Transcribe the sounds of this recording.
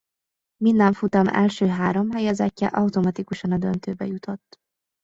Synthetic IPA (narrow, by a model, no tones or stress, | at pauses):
minːɛɱfut̪ɒmɛ̰lʃøːɦaːɾo̞mɦɛjɛzɛcːɛ̰ʔɒwt̪omɒt̪ikuʃɒnɒd̪ønt̪øːbɛ̰jut̪ʰot̪ː